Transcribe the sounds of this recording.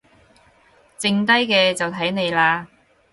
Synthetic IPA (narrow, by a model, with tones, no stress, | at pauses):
t͡sɪ˧ŋt̪̬ɐ˥jkɛː˧t͡sɐ˨˩wt̪ʰɐ˨˥jne˨˧jlaː˧